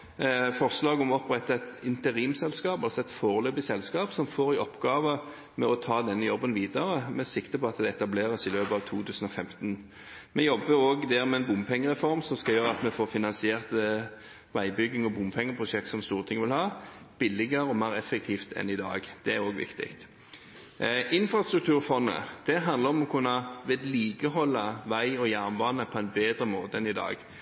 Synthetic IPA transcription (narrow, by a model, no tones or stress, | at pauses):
fɔʁslɑːɡɔmɔpɾɛt̪ːəɛt̪ɪnt̪əʁiːmsɛlskɑːpɑlsɔɛt̪foːʁəløːbɪsɛlskɑːpsɔmfoːɾɪʔɔpːɡɑːʋə | mɛɔt̪ʰɑːd̪ɛnːəjɔbːənʋiːd̪əɾəmɛsɪkt̪əpʰɔɑt̪d̪ɛɛt̪ɑbleːʁəsɪløːpəɑʋt̪ʰuːt̪ʰʉːsən̩ɔfɛmt̪n | mɛjɔbːəɾoːɡd̪æːʁmɛɛnbʊmpʰɛŋːəʁɛfɔɾmsɔmskɑljøːɾʁəɑt̪mɛfoːɾfɪnɑnsɪeːʁt̪ | ʋæɪbʏɡːɪŋɔbʊmpʰɛŋːəpʰʁʊʃɛk̚t̪sɔmst̪uːʁət̪ʰɪŋəʋɪlhɑːb̥ɪlːɪɡəɾəɔmæːʁɛfːək̚t̪ʰiːft̪ʰɛ̰nɪd̪ɑ̰ːɡd̪̥ɛæɾoːɡʋɪ̰kt̪ɪ̰kt̪ | ʔɪnfɾɑst̪ɾʉk̚t̪ʰʉːɾfɔnːə̰d̪̥ɛɦɑnd̪əɾɔmɔkʰʉnːɑʋɛːd̪liːkəɦɔlːɑʋæɪɔjæʁnbɑːnəpʰɔæɪnbeːd̪ɾəmoːt̪əɛnɪd̪ɑ̰ːɡ